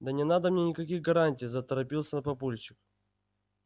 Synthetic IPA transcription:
d̪ənʲɪnad̪əmnʲenʲɪkɐkʲiɣɡɐɾanʲtʲijzət̪əɾɐpʲilˠsʲənɐpɐpulʲt͡ɕɪk̚

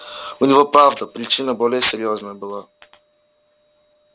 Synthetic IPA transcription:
ʊnʲivɔpɾavd̪əpɾit͡ʃinəbɔlʲɛːsɛɾʲiɔznəɛbilˠa

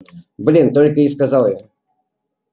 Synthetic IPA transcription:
blʲint̪olʲkəiskɐzɑlˠja

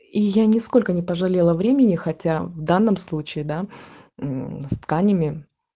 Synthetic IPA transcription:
ijanʲɪsko̞lʲkənʲɪpəʐɐlʲelˠəvɾʲemʲɪnʲɪxɐtʲavd̪anːəmslˠut͡ɕɪːd̪a | st̪kanʲɪmʲɪ

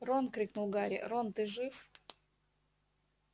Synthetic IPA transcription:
ronkɾʲiknulˠɡaɾʲɪ̰ront̪ɨʐɨf

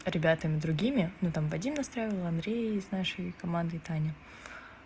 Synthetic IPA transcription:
ɾʲɪbʲat̪əmʲɪd̪ɾʊɡʲimʲɪnut̪amvɐdʲimnɐst̪ɾajɪvəlˠɐnd̪ɾʲejɪznaʂəjkɐmand̪ɨt̪anʲɪ

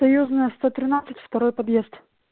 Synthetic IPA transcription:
ɐjuznɨjəst̪ot̪ɾʲɪnat̪sɨ̥tʲft̪ɐɾojpɐd̪jezt̪

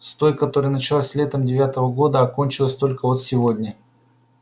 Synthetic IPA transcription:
st̪o̞jkɐt̪o̞ɾɨjənət͡ɕɪlˠasʲlʲet̪əmdʲɪvʲat̪əvəɡo̞d̪əɐko̞nʲt͡ɕɪlˠəsʲt̪o̞lʲkəvo̞t̪sʲɪvo̞dʲnʲə

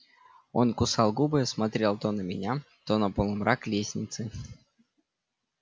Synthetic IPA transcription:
o̞̰nkʊsɑlˠɡubɨjəsmɐt̪ɾʲe̞lˠt̪onəmʲɪ̰nʲa | t̪onɐpolˠɨmɾʔaklʲesʲnʲɪt̪sɨ

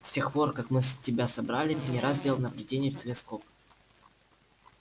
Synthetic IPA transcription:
sʲtʲe̞xpo̞rkakmɨstʲɪbʲasɐbɾalʲɪt̪ɨnʲɪɾazdʲe̞lˠnəvlʲɪdʲenʲɪjʊtʲɪlʲɪsko̞p

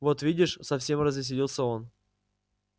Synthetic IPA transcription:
vo̞t̪vʲidʲɪʂsɐfsʲe̞mrəzʲɪs̬ʲɪlʲilˠsʲəo̞n

